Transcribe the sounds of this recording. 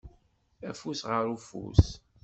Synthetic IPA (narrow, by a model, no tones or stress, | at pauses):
æfusʁəɾufṵs